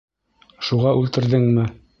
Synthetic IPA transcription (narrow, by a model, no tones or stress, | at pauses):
ʃuʁɑʔʉlt̪ɘ̆ɾðɘŋmɘ